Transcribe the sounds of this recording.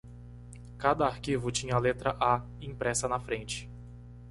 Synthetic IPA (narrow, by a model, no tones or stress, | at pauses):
kad̪ɐaɾkivʊt͡ʃĩɲɐlet̪ɾɐʔa | ĩpɾɛsɐnɐfɾẽnt͡ʃɪ̥